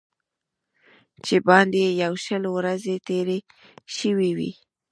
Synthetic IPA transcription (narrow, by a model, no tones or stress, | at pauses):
t͡ʃebɑnd̪ejawʃəlwɾazet̪eɾe | ʃəwiwḭ